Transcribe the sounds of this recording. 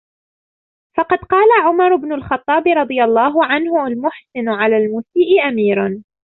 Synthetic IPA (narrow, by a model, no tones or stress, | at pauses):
fɑqɑd̪qɑːlaʕʊmɑɾˤʊbnʊlxɑt̪ˤːɑːbɪɾˤɑd̪ˤɨjalˤːɑːɦʊʕanhʊalmʊħsɪnʊʕalaːlmuːsiːʔɪʔamiːɾn